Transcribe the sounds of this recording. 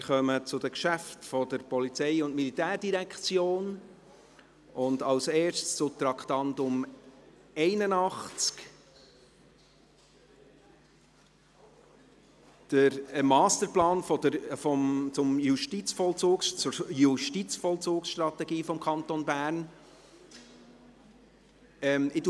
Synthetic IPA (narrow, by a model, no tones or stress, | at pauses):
χœmət͡sʊd̥əkʃæftfɔdəɾpɔlit͡sɛɪʊntmilitæːɾd̥iɾɛkχt͡sjoːn | ʔʊndɑlseːɾʃtst͡sʊt̪ɾɑkχtɑntʊm | ɛɪnənɑχt͡sk | d̥əɾmɑːstəɾplɑːnfɔd̥əfɔmt͡sʊmjuʃtit͡sfɔlt͡soːkst͡sʊɾjuʃtit͡sfɔlt͡soːksʃtɾɑtɛɡiːfɔmkʰχɑnt̪onbæːɾn | ɛmɪdu